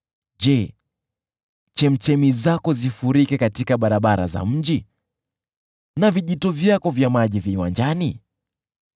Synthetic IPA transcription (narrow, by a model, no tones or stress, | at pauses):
ʄɛ | t͡ʃɛm̩t͡ʃɛmizakɔzifuɾikɛkatikaɓaɾaɓaɾa̰za̰m̩ʄi | naviʄitɔvjakɔvjamaʄiviwand͡ʒani